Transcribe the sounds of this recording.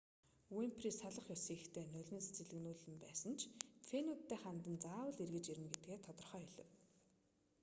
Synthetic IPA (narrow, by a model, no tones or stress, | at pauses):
wempʰriːsaɮə̆χjʊsiːxt̪ʰeːnɵɮʲɘ̆nse̥t͡ɕɪ̆ɮɘ̆knuːɮɘ̆mpæːsə̆nt͡ɕʰfʰenuːt̪ːeːχant̪ə̆nt͡saːwə̆ɮerɣɘ̆t͡ɕiɾɘ̆mɡet̪̚ɡeːt̪ʰɔt̪ɞ̆rχœːjɵɮɞ̆w